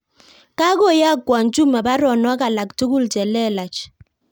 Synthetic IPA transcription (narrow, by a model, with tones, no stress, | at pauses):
ka˦ɡo˦˨ja˦˨kwa˨nd͡ʒu˦ma˨ba˦ɾɔ˨nɔ˨˦ka˨la˨kto˦ɡu˦˨ld͡ʒɛ˨lɛ˦˨la˨t͡ʃ